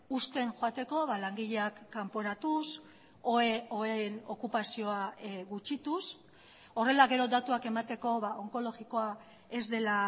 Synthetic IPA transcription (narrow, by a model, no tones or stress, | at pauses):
ust̪e̞ŋʝoat̪e̞ko̞βalaŋɡiʎe̞akːampo̞ɾat̪us | oeono̞kupasio̞aɣut͡ʃit̪us | o̞re̞laɣe̞ɾo̞d̪at̪uake̞mat̪e̞ko̞βao̞ŋko̞lo̞ɣiko̞a | e̞zd̪e̞la